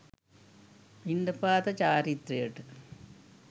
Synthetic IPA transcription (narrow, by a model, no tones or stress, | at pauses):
ind̪ɐpaːt̪ɐt͡ɕaːɾit̪reeʈːɨ